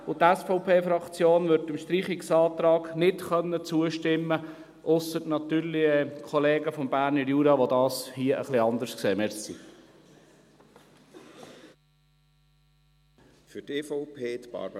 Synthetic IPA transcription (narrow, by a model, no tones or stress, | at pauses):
ʊt̪ɛsfɔʊpʰeːfɾɑkt͡sjoːnvʏɾtɪmʃtɾiːχɪksɑːt̪ɾɑːɡ̥nɪtχœnːət͡suəʃtɪmːə | ʔʊsətnɑt̪yːɾlɪəkʰɔleːɡəfɔmbæːɾnəɾjuːɾɑʋod̪ɑːshiəʔə̰χliɑnd̪əɾskseːmɛɾsḭ | fyteːfɔʊpʰeːt̪pɑ̰ɾb